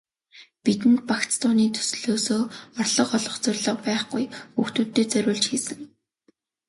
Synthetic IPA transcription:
pit̪ɘ̆nt̪̚pakt͡st̪ʰʊːniːt̪ʰɵ̥sɮoːsoːɔrɮɞ̆qɔɮɞ̆χt͡sœrʲɮə̆q̚pæːχɡujuxt̪uːt̪ːeːt͡sœɾʲʊːɮt͡ɕxiːsɘ̆ŋ

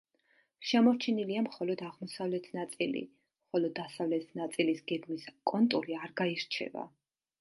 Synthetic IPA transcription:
ʃɛmɔɾt͡ʃʰɛniliamχɔlɔd̪aʁmɔsavlɛt̪ʰnat̪sʼilḭ | mχɔlɔd̪ːasavlɛt̪ʰnat̪sʼilisɡ̥ɛɡmiskʼɔnt̪ʼuɾiaɾɡaiɾt͡ʃʰɛ̰va̰

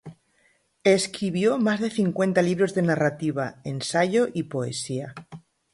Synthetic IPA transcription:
eskɾiβ̞jo̞mazðe̞θiŋkwe̞nt̪aliβ̞ɾo̞zðe̞narat̪iβ̞aensaʝo̞ʔipo̞e̞̰sia

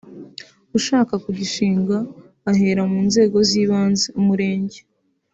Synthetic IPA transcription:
uʃaːkakuɟiʃiːŋɡaː | ɦe̞ːɾamuːnze̞ːɡo̞ziːβaːnzeumuɾe̞ːɲɟe

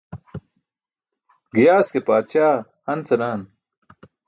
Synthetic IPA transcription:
ɡijaːskepaːt̪ɕaː | ɐnt͡sɐnaːn

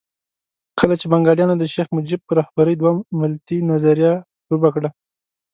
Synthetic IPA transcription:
kəlat͡ʃebaŋɡɑljɑnod̪əʃexmʊd͡ʒɪb̚pəɾɑhbaɾəjd̪wamɪlt̪inazaɾja | ɾubakɽa

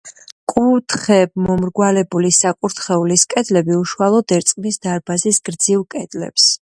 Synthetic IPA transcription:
kʼut̪ʰχɛbmɔmɾɡwalɛbulisakʼuɾt̪ʰχɛuliskʼɛd̪lɛbiuʃualˠɔd̪ɛɾt̪sʼqʼnisd̪aɾbazisɡɾd̪zilˠkʼɛd̪̥lɛ̰ps

